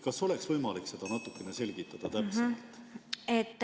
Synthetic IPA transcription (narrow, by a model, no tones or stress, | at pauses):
kɑso̞le̞ksvɤjmɑlikse̞d̪̥ɑnɑt̪ːˑukːˑenese̞lɡit̪ːˑɑd̪̥ɑt̪æset̪ːet̪ːˑ